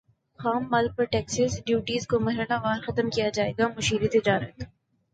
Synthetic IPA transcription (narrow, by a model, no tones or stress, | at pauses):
xaːmːɐːlpɐɾʈɛːksəsɖjuːʈiːzkomɐɦɾəlaʋaːɾxɐt̪əmkijad͡ʒaːeːɡamʊʃiːɾit̪ɪd͡ʒaːɾət̪